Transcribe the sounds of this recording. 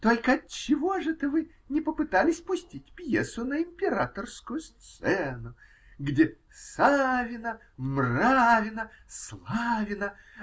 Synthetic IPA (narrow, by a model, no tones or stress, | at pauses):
t̪o̞lʲkəɐt̪̚t͡ɕːɪvo̞ʐɨt̪əvɨ | nʲɪpəpɨt̪alʲɪsʲpʊsʲtʲitʲpjesʊnəɪmʲpʲɪɾat̪ərskʊjʊst̪sɛnʊ | ɡdʲe | savʲɪnə | mravʲɪnə | slˠavʲɪnə